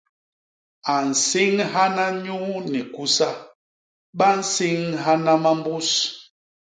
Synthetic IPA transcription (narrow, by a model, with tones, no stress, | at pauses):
a˨n̩˨si˦ŋɦa˦na˦ɲu˦ni˨ku˦sa˦ | ɓa˦n̩˦si˦ŋɦa˦na˦ma˦m˦bu˦s